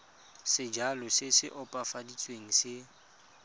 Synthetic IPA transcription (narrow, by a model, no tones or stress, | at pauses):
sɪd͡ʒalʊsɪsɪʔʊpʼafadit͡sʼweŋ̩sɪ